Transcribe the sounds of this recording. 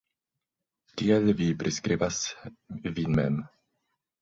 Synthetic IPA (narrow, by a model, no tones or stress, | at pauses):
tielvipɾeskɾivas | vinmɛm